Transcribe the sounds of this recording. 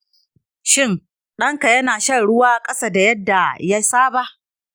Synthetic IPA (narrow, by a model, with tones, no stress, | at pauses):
ʃɪ˦ŋ | ɗɐ˦ŋka˨jɐ˦naː˨ʃɐ˦ɽʊ˦waː˦kʼɐ˦sa˦da˨jɐ˦dːa˨ja˦saː˦ba˦ʔ